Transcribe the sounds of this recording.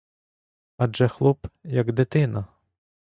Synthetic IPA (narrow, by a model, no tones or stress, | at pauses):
ɐd͡ʒɛxlˠupjɐɡd̪ɪt̪ɪnɐ